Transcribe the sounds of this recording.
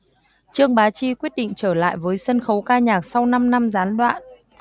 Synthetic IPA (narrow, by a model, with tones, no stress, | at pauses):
t͡ɕɨ˧əŋɓaː˨˦t͡ɕi˧kwi˦˥ət̚ɗḭ˧˨ŋ̟t͡ɕəː˧˩la̰ː˧˨jvəː˨˦jsə˧nxə˨˦wkaː˧ɲaː˨˩k̚sa˧wna˧mna˧mzaː˨˦nɗwa̰ː˧˨n